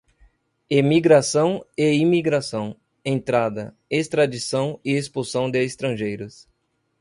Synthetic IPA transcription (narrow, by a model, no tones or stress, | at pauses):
emiɡɾasɐ̃w̃eimiɡɾasɐ̃w̃ | ẽnt̪ɾad̪ɐ | est̪ɾad͡ʒisɐ̃w̃ɪespusɐ̃w̃d̪ɪːst̪ɾɐ̃ʒejɾʊs